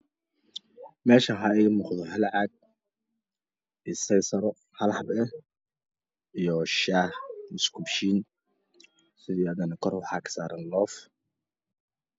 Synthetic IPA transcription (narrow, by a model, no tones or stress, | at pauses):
mɛːʃɐɦɐɛjmʊχðɔhɐlʕɑɡ̚ | isɛjsɐɾɔ | hɐlħɑbɛ | ʔijɔʃaːhmɪskʰubʃiːn | sɪðiːɐðɐnɐkʰɔrwɑħɑːkʰɐ̥saːɾɐnlɔːf